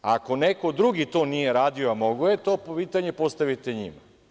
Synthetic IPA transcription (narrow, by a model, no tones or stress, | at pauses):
ako̞neko̞d̪ɾuɡit̪o̞ːnije̞ɾaːd̪ioamo̞ɡojet̪oːpopiːt̪aɲe̞po̞st̪aʋit̪e̞ɲḭma̰